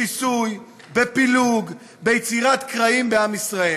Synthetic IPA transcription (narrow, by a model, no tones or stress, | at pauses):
isuj | be̞piluɡ | be̞jet͡siʁat̪kʁaimbeamisʁae